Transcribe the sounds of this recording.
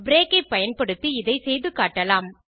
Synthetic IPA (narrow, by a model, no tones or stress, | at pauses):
bɾeːkɐɪpːɐjɐnpɐɽɯt̪ːiɪðɐɪsɛjðɯkaːʈːɐlaːm